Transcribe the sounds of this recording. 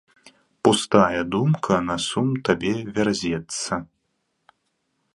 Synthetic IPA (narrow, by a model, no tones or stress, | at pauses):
pust̪ajɐd̪umkʰɐnɐsumt̪abʲɛvʲarzʲɛt̪sːɐ